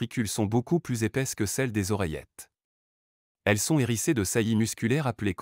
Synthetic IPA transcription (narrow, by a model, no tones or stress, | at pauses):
ikʲʰylsɔ̃bokuplyzepɛskəsɛld̪ezɔʁɛjɛ̰t̪ | ɛlsɔ̃eʁised̪əsajimyskʲylɛʁaplek